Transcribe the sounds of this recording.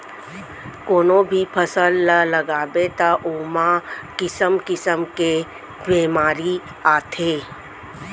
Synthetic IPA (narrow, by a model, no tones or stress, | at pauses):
koːnõbʱipʰəsəlːələɡaːbet̪aʔoːmakɪsəmkɪsəmke | beːmaːɾi | aːt̪ʰeː